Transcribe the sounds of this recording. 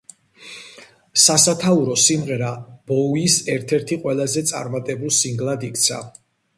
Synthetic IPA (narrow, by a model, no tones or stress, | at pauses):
sasat̪ʰauɾɔsimʁɛɾab̥ɔisɛɾt̪ʰɛɾt̪ʰiqʼwɛlˠazɛt̪sʼa̰ɾmat̪ʼɛbulˠsiŋɡlˠad̪ikʰt̪sʰa̰